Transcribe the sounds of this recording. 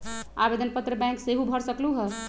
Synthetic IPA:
abed̪ənpət̪ɾəbɛ̃ŋkseɦubʱəɾsəkluɦə

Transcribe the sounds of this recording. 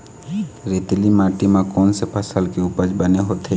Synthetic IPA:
ɾet̪limaʈimãkɔnsepʰasalkeupad͡ʒbəneɦot̪ʰe

